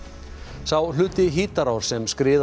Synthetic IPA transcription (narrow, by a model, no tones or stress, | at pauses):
sawl̥ʏːt̪ɪɦiːt̪aɾawɾ̥sɛmskɾɪːð